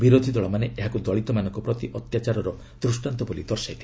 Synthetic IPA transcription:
biɾod̪ʱid̪ɔɭɔmaneʔeɦakud̪ɔɭit̪ɔmanɔ̃ŋkɔpɾɔt̪iʔɔt̪jat͡ʃaɾɔɾɔ | d̪̥ɾusʈant̪ɔbolid̪ɔɾsajt̪ʰi̥

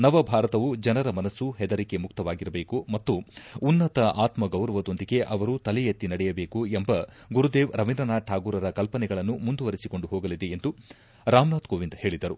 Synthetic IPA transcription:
nɐʋɐbʱaːɾɐt̪ɐʋud͡ʒɐnɐɾɐmɐnɐsːuɦɛd̪ɐɾike̞muk̚t̪ɐʋaːɡiɾɐbe̞ːkumɐt̪ːuːnːɐt̪ɐʔaːt̪mɐɡɐwɾɐʋɐd̪o̞nd̪iɡe̞ʔɐʋɐɾut̪ɐlɛjɐt̪ːinɐɽɛjɐbe̞ːkuembɐ | ɡuɾud̪e̞ːʋɾɐʋind̪ɐnaːʈʰaːɡuːɾɐɾɐkɐlpɐnɛɡɐɭɐnːumund̪uʋɐɾisiko̞ɳɖuɦoːɡɐlid̪e̞end̪u | ɾaːmnaːt̪koːʋind̪he̞ːɭid̪ɐɾu

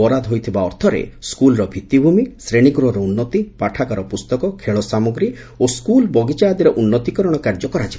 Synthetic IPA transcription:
ɔɾad̪ɦojt̪ʰibaɔɾt̪ʰɔɾḛskulɔɾɔbʱit̪ibʱumisɾeɽ̃iɡɾuɔɾɔunːɔt̪ipaʈʰakaɾɔpust̪ɔkɔkʰeɭɔsamoɡɾi | oskulbɔɡit͡ʃad̪iɾɔʔunːɔt̪ikɔɾɔɽ̃ɔkaɾd͡ʒɔkɔɾad͡ʒiba

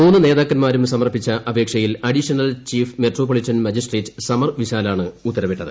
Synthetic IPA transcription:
muːnːɨne̞ːðaːkːɐnmaːɾumsɐmɐrpːit͡ɕːɐʔɐbʱeːkʂɐjilɐɽiɕɐnɐlt͡ɕiːfmeʈroːpːolitːɐnmɐd͡ʑisʈreːtːɨ̥sɐmɐrʋiɕaːlaːɳɨut̪ːɐɾɐʋeʈːɐðɨ̰

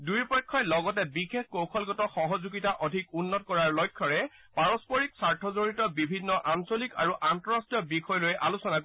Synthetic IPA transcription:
dujpɔjkʰːɔjlɔɡɔtɛbixekkowkʰɔlɡɔtɔxɔɦɔzuɡitaʔɔdʱikunːɔtkɔɹaɹlɔjkʰːɔɹɛ | paɹɔspɔɹiksaɹtʰɔzoɹitɔbibʱinːɔʔansolikaɹuʔantɔɹastijɔbixɔjɔlojʔa̰lusɔnak

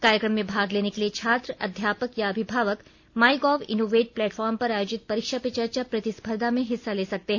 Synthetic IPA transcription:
kaːɾjəkɾəmːẽbʱaːɡleːnekeliet͡ʃʰaːt̪ɾəɐd̪ʱjaːpəkjaɐbʱɪbʱaːʋək | maːɪɡɔːʋɪ̰noːʋeːʈ̚plɛːʈfɔːɾmpɐɾaːjoːd͡ʒɪt̪̚pɐɾɪkʃapet͡ʃɐɾt͡ʃapɾɐt̪ɪspʰəɾd̪ʱamẽɦɪsːaleːsɐk̚t̪eɦɛ̃

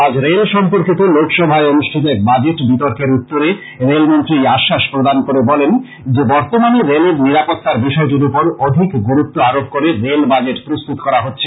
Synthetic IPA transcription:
ad͡ʑɾelʃɔmpoɾkit̪olokʃɔbʱaeonuʃʈʰit̪oɛk̚bad͡ʑeʈbit̪oɾkeɾut̪ːoɾe | ɾelmont̪ɾiaʃːaʃpɾod̪ankoɾebɔlen | d͡ʑebɔɾt̪omaneɾeleɾniɾapot̪ːaɾbiʃɔed͡ʑ̪ulupoɾod̪ʱikɡoɾut̪ːoaɾob̚koɾeɾelbad͡ʑeʈpɾost̪ut̪okɔɾaɦotːɕʰe

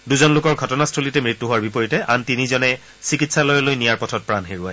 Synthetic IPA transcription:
duzɔnlʊkɔɹɡʱɔtɔnastʰulitɛmɹitːuɦʊwaɹbipɔɹitɛʔantinizɔnɛ | sikitsalɔjɔlojnijaɹpɔtʰɔt̚pɹanɦeɹua̰j

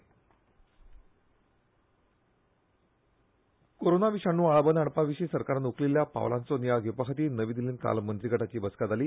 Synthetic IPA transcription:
koɾonaʋiʂanːuːaɭbənaɽpaʋiɕiːsəɾkaɾanukliljapa̰ʋlant͡sonjaɡjupakʰat̪iːnəʋiːd̪iliːnka̰lmənt̪ɾiɡəʈat͡ɕiːbəskat̪aliː

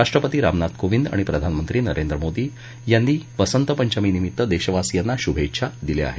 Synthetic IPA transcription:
aʂʈɾəpət̪iːɾamnat̪koʋind̪a̰ɽipɾəd̪ʱanmənt̪ɾiːnəɾend̪ɾəmod̪iː | janːiːʋəsənt̪əpəɲd͡ʑaminimit̪ːəd̪eɕəʋasijanːaɕubʱeɕʰad̪ilea̰ɦe

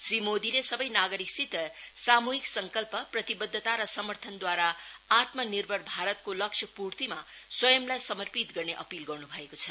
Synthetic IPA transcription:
srimod̪ilesʌbʌjnaɡʌɾiksit̪ʌsamuɦiksʌŋkʌlpʌprʌt̪ibʌd̪ʱːət̪aɾʌsʌmʌrt̪ʰʌnd̪waɾaat̪mʌnirbʱʌɾbʱaɾʌt̪̚kolʌksʰjʌpuɾt̪imaswʌjʌmlajsʌmʌrpit̪ɡʌrneʔʌ̰pilɡʌrnubʱʌekot͡sʰʌ

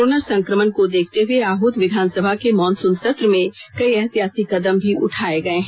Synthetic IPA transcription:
oːnəɾsɐ̃ŋkɾəmənkod̪eːkʰt̪eɦueaːɦʊt̪ʋɪd̪ʱaːnsəbʱakemɔːnsũnsət̪ɾəmẽkɐiɛɦt̪jaːsikɐd̪əmbʱiʔʊʈʰaːeɡɐeɦɛ̃

